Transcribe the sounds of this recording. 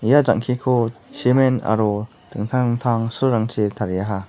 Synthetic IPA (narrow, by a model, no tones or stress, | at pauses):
jaza̰ŋkʰikʰusimɛna̰ɾɔ | t̪ɯŋt̪ʰat̪ʰaŋsuɾaŋt͡ʃʰit̪ʰaɾjaɦa